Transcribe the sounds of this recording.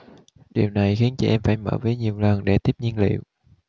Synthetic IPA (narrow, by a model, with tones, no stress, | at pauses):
ɗi˨˩əwna˨˩jxi˨˦ənt͡ɕə˧˩ʔɛ˧mfaː˧˩jmə̰ː˧˩vəː˨˦jɲi˨˩əwlə˨˩nɗe˧˩t̪i˦˥p̚ɲi˧ənlḭ˧˨əw